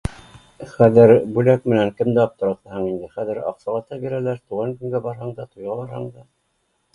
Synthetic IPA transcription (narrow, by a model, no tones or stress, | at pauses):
χæðɘɾbʉlæk̚mɘ̆næŋkɘ̆md̪æɑp̚t̪ŏɾɑt̪ɑhɤɴind̪ɘχæðɘ̆ɾɑ̰qsɑlˠɑt̪ɑbiɾælæɾt̪uʁɑŋkɵ̆ŋɡæbɑɾɦɑɴd̪ɑt̪ŏjʁɑlˠɑɾhɑɴd̪ɑ